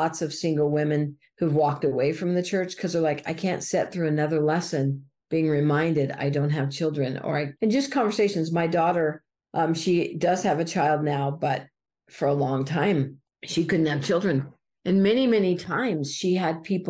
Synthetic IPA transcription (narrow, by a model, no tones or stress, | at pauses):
ɑtsʌv̥sɪ̃ŋɡl̩ˠwɪ̃mɨ̃n | huvwɔk̚təweɪfɹʌ̃mðɨt͡ʃʰɜ˞t͡ʃkʰʌzə˞laɪkaɪkʰæ̃ntsɛt̪̚θɹʉɨnʌðə˞lɛsɨ̃n | b̥iɪ̃ŋɹɨmãɪ̃ndɨɾa̰ɪdõʊ̃nt̚ɦɨv̥t͡ʃʰɪlˠdɹɨ̃nʔɔ̰lˠɹaɪt̚ɨ̃nd͡ʒʌskʰɑ̃ɱvə˞seɪʃɨ̃nzmaɪdɔɾə˞ | ʔʌ̃mʃidʌz̥ɨvɨt͡ʃʰaɪlˠdⁿnaʊbʌt̚ | fə˞əlɔ̃ŋtʰãɪ̃m | ʃikʊdⁿn̩thɨv̥t͡ʃʰɪlˠdɹɨ̃n | ɨ̃nmɛnimɛnitʰãɪ̃mz̥ʃiɨd̚pʰip